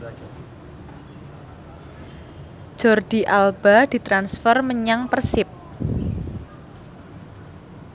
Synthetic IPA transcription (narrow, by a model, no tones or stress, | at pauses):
ʒ̥ɔrɖ̪̥i̤ʔalb̥ad̪̥i̤t̪ɾansfərməɲaŋpərsɪp̚